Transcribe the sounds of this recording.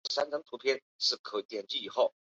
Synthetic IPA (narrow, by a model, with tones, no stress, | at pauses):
sa˥nʰɤ˧˥ŋt̪ʰu˧˥pʰjɛ˥n | ʂɻ̩˥˩kʰɤ˨˩t̪jɛ˨˩nt͡ɕi˥˩i˨˩xo˥˩ʊ